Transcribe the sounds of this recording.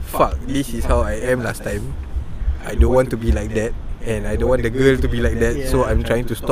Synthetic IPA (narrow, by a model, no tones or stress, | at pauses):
fak̚disishawajɛ̃mlastãj̃m | ajdõnwɔ̃ntːubilajk̚d̪ɛt̚ɛ̃najdõnwɔ̃ndəɡəlstubilajk̚dɛt̚soãj̃mtʰɹajɪ̃ŋtustɔ